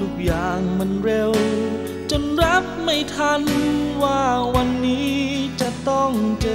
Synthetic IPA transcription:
u˨˩k̚jaː˨˩ŋma˧nɾe˧w | t͡ɕo˧nɾa˦˥p̚ma˥˩jt̪ʰa˧˥nwaː˧˩wa˧nːiː˦˥t͡ɕa˧˩t̪ɔ˥˩ŋt͡ɕɤː˧

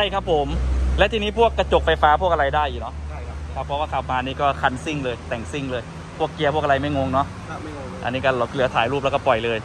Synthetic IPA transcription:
t͡ɕʰa˥˩jkʰa˦˥pʰːo˨˩˦mlɛ˦˥t̪ʰiː˧niː˦˥˩pʰu˥˩əkːa˧˩t͡ɕo˨˩k̚fa˧jfaː˦˥pʰu˥˩ək̚a˧ɾa˧jdaː˥˩jʔi˨˩nɔ˦˥˩kʰa˦˥pʰːɔ˦˥waː˥˩kʰa˨˩p̚maː˧nːiː˥˩kɔː˥˩kʰa˧˥nsi˥˩ŋlɤː˧jt̪ɛ˨˩ŋsi˥˩ŋlɤː˧j | pʰu˥˩əkːi˧əpʰu˥˩k̚ʔa˧a˧jma˥˩jŋo˧ŋnɔ˦˥ʔ | ʔa̰˧nːiː˦˥kɔ˥˩˧lɯ˩˦t̪ʰaː˩˦jɾuː˥˩p̚lkɔː˥˩pɔ˨˩jlɤː˧j

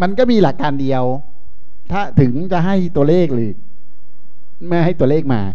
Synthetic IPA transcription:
ma˧nkɔː˥˩miː˧la˨˩kːaː˧ndi˧əw | t̪ʰaː˥˩t̪ʰɯ˩˦ŋt͡ɕa˨ʔɦa˥˩jt̪u˧ɐleː˥˩k̚lɯː˨˩k̚ | maː˥˩ɦa˥˩jt̪u˧ɐleː˥˩k̚ma̰ː˧

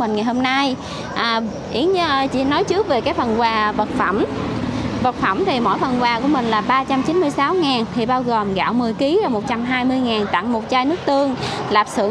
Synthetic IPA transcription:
mï˨˩ŋ̟ŋa˨˩jho˧mna˧j | ʔaː˨˩ | ʔi˨˦əŋɲ˧t͡ɕḭ˧˨nɔ˨˦jt͡ɕɨ˦˥ək̚ve˨˩kaː˨˦jfə˨˩nkwaː˨˩və˨˩t̚fə˧˩m | və˨˩t̚fə˧˩mt̪ʰi˨˩mo̰˧˥˨jfə˨˩nkwaː˨˩ku˧˩əmï˨˩ŋ̟laː˨˩ɓaː˧t͡ɕa˧mt͡ɕi˨˦nmɨ˧əjsaː˨˦wŋaː˨˩nt̪ʰi˨˩ɓaː˧wɣo˨˩mɣa̰ː˧˨wmɨ˨˩əjki˨˦aː˨˩mo˨˩t̚t͡ɕa˧mɦaː˧jmɨ˧əjŋaː˨˩nt̪a̰˧˨ŋmo˨˩t̚t͡ɕaː˧jnɨ˦˥ək̚t̪ɨ˧əŋlaː˨˩p̚sɨ̰˧˩ə

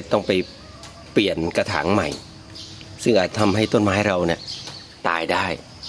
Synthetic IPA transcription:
t̪ɔ˥˩ŋpa˧j | pli˨˩ənka˧t̪ʰa̰ː˩˦ŋma˨˩j | sɯ˥˩ŋʔaː˨˩t̪̚t̪ʰa˧mɦa˥˩jt̪o˥˩nmaː˦˥jɾa˧wni˥˩ə | t̪a̰ː˧jdaː˥˩j

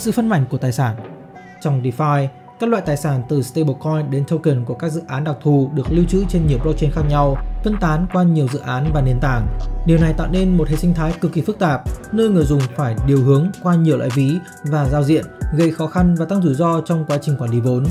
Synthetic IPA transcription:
sɨ̰˧˨fə˧nma̰˧˩jŋ̟ku˧˩ət̪aː˨˩jsaː˧˩n | t͡ɕɔ˧wŋ͡mɗi˧faː˧j | kaː˦˥k̚lwa̰ː˧˨jt̪aː˨˩jsaː˧˩nt̪ɨ˨˩st̪e˧ɓkɔ˧jɗe˨˦nt̪ʰə˧wki˨˩nku˧˩əkaː˦˥k̚zɨ̰˧˨ʔaː˨˦nɗa˨˩k̚t̪ʰu˨˩ɗɨ˨˩ək̚li˧wt͡ɕɨ̰˧˥t͡ɕe˧nɲi˨˩əwɓlo˦˥k̚t͡ɕe˧nxaː˦˥k̚ɲa˧wt̪ə˧nt̪aː˨˦nkwaː˧ɲi˨˩əwzɨ̰˧˨ʔaː˨˦nvaː˨˩ni˧˩ənt̪a̰ː˧˩ŋɗi˨˩əwna˨˩jt̪a̰ː˧˨wne˧nmo˨˩t̚hḛ˧˨ʔsï˧ŋt̪ʰaː˨˦jkɨ˨˩k̚ːi˨˩fɨ˦˥k̚t̪aː˨˩p̚nəː˧jŋɨ˨˩əjzʊ˨˩ŋ͡mfaː˧˩jɗi˨˩əwhɨ˨˦əŋkwaː˧ɲi˨˩əwla̰ː˧˨vi˨˦ | vaː˨˩zaː˧wzḭ˧˨ənɣə˧jxɔ˨˦xa˧nvaː˨˩t̪a˦˧ŋzu˧˩zɔ˧t͡ɕɔ˧wŋ͡mkwaː˨˦t͡ɕï˨˩ŋ̟kwaː˧˩ɗi˧˩vo˨˦n

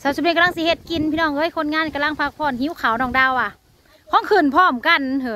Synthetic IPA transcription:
sa˧˩snː˧˩ka˧la˧˥˧ŋs̬i˧˦he˧t̪̚ki˧˨npʰiː˧˨nɔː˧˩ŋʔɤː˧˥˨jkʰo˧˨nŋaː˧˥˨nka˧la˧˥˨ŋpʰa˧k̚pʰɔː˧˩˨nhi˧˥˨kʰa˨˩˦wnɔː˧˩ŋdaː˧˩˨wʔa˧˩ | kʰɔː˧˥˨ŋkʰɯː˧˩˨npʰɔː˧˩mka˧˨nhɯ˧˦

